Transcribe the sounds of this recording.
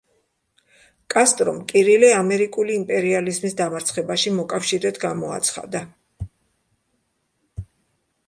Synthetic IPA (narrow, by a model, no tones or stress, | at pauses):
kʼast̪ʼɾɔmkʼiɾilɛamɛɾikʼuliːmpʼɛɾializmisd̪amaɾt̪sʰχɛbaʃimɔkʼafʃiɾɛd̪ɡamɔa̰t̪sʰχa̰d̪a